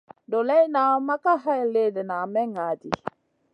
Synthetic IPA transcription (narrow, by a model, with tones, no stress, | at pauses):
do˨lɛ˦jna˨˦ma˦ka˦ɦa˦ɛ˨le˦˨dɛ˨na˨mɛ˦ŋa˨˦di˨